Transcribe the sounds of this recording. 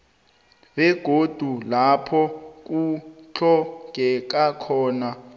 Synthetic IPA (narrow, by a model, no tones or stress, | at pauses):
bɛɡ̥ʱod̥ʱulapʰɔk̬ut͡ɬʰɔɡ̥ʱɛk̬akʰɔːna